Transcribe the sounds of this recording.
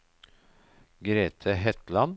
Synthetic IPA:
ɡɾeːt̪ʰəɦɛt̪lɑn

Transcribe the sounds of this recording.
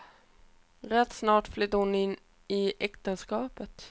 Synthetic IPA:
ɾɛt̪ːsnɑːʈflʏt̪ːəɾhʊnɪnː | ɪʔɛkt̪ənskɑːpət̪

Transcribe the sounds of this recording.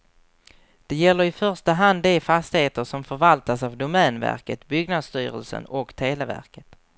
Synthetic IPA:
d̪̥ɛjɛlːəɾɪfœʂt̪aɦand̪ɛfast̪ɪheːt̪əʂɔmfœɾvalt̪asavd̪ʊmɛːnvæ̰ɾkət̪bʏɡnad̪st̪yːɾə̰lsə̰nɔkt̪ʰeːlɛvæ̰ɾkə̥t̪

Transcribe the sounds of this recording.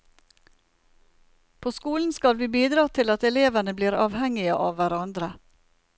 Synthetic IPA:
pʰoːskuːln̩skɑlʋiːbiːd̪ɾɑːt̪ʰɪlɑt̪ɛleːʋənəbliːɾɑːʋhɛŋɪəʔɑːʋʋæɾɑnd̪ɾə

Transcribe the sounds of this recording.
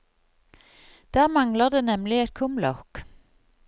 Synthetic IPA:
d̪̥æːʁmɑŋləʁd̪eːnɛmlɪɛt̪̚kʰʊmlɔ̰k

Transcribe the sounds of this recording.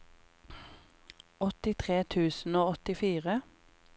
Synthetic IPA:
ɔt̪ɪt̪ʰʁeːt̪ʰʉːsn̩oːɔt̪ɪfiːʁə

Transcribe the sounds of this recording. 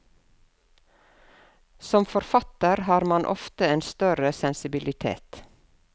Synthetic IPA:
sɔmfɔɾfɑt̪əɾhɑːɾmɑnʔɔ̰ft̪əeːnst̪œɾəsɛnsɪbɪlɪt̪ʰḛːt̪

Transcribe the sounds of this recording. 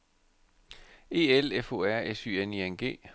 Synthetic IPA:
e̝ːelefo̝ːæɐ̰esyːenienɡ̥e̝̰ː

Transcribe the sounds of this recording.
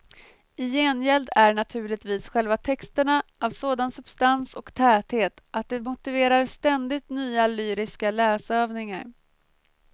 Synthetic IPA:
ɪjeːnjɛld̪æɳat̪ʰʉ̟ːɭɪt̪viːsɧɛlvat̪ʰɛkst̪əɳaʔavsoːd̪ansɵb̥st̪ansɔkt̪ʰɛːt̪heːt̪ʔat̪̚d̪ɛmʊt̪ɪveːɾaɾst̪ɛnd̪ɪt̪nyːalyːɾɪskalɛːsøːvnɪŋa̰ɾ

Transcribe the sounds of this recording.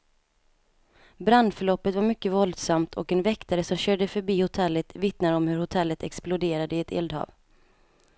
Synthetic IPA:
bɾand̪fœɭɔpːət̪vaɾmʏkːəvɔld̪samt̪ʰɔkɛnvɛkt̪aɾəsɔmɕøːɖəfœɾbiːhʊt̪ʰɛlːət̪vɪt̪nad̪əɔmhɵɾhʊt̪ʰɛlːət̪ɛksplʊd̪eːɾad̪əɪɛt̪ʰḛːld̪hɑ̰ːv

